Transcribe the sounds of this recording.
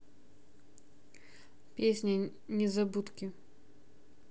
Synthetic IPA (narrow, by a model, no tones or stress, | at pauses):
pʲesʲnʲɐ | nʲɛzabut̪kʲi